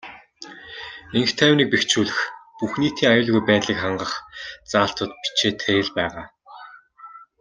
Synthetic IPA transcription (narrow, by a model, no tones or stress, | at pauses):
eŋxt̪ʰːæːwniːk̚pekt͡ɕuːɮɘ̆xpuxniːt̪ʰiːŋajʊːɮɣujpæːt̪ɮiːkχaɴɢə̆χt͡saːɬt̪ə̆t̪̚pi̥t͡ɕʰeːt̪ʰæjɪ̆ɮpæːʁaː